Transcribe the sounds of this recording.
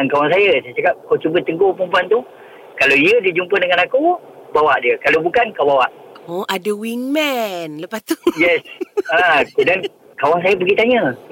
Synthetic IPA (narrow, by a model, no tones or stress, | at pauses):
ankawaŋs̬ajəsajt͡ʃakap̚kot͡ʃubət̪əŋɡopəmpuant̪u | kalawiədid͡ʒumpədəŋanaku | bawaʔdiəkalowbukankawbawaʔoʔadawiŋmɛnləpast̪ujɛsakudan | kawaŋs̬ajəpəɡit̪aɲə